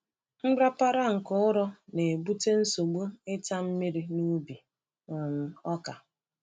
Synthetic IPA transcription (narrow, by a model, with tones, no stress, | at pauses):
ŋ͡m̩˦ɡ͡bɾa˦pa˦ɾa˦ŋ̩˨kʊ˦ʊ˦ɾɔ˦ne˨bu˦te˦n̩˦so˨ɡ͡bu˦ɪ˦ta˦m̩˦mi˦ɾi˦nu˦bi˨ | na˨n̩˦ɔ˦ka˨